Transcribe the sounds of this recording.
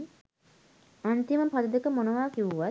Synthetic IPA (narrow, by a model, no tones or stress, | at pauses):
ant̪iməpad̪əd̪əkəmonəʋaːkiʋuʋa